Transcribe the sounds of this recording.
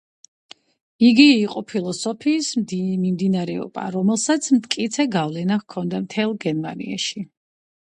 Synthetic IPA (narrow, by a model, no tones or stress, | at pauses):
iɡiːqʼɔpʰilˠɔsɔpʰiːsmdmimd̪inaɾɛɔ̰b̥a̰ɾɔmɛlˠsat̪sʰmt̪̚ʰkʼit̪sʰɛɡavlɛnaχkʰɔnd̪amt̪ʰɛlˠɡɛnmanḭa̰ʃi